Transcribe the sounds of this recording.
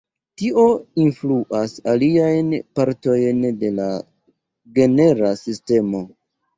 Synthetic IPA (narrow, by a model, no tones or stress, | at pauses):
tiʔo̞influʔasaliajnpaɾto̞jnde̞la | ɡe̞ne̞ɾasiste̞mo̞